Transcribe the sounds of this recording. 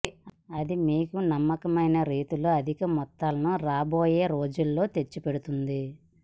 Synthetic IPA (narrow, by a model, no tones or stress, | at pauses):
ɐd̪imiːkunɐmːɐkɐmɐjnɐɾiːt̪uluɐd̪ʱikɐmɔt̪ːaːlɐnuɾaːbo̞ːje̞ːɾo̞ːd͡ʒulːo̞ːt̪e̞t͡ʃːupe̞ɽut̪und̪i